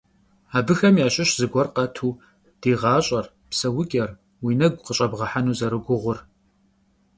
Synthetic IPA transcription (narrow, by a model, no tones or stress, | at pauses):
aːbɨxɐmjaːɕʼɪɕzɨɡʷɔrqɐtʰuː | d̥eːʁɑːɕʼɐr | psɐwʊkʲʼɐr | wiːnɐɡʷqəɕʼɐbʁɐħanuːzɐɾɨɡʷʊʁʷʊr